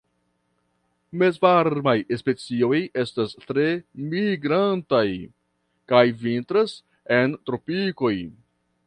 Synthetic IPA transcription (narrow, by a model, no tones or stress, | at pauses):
me̞zvaɾmajespe̞t͡sio̞je̞stastɾe̞miɡɾantaj | kajvintɾas | e̞ntɾo̞piko̞j